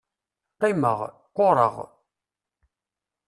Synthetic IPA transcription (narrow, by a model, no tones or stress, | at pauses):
qːimə̰ʁ | qʷːoɾˤə̰ʁ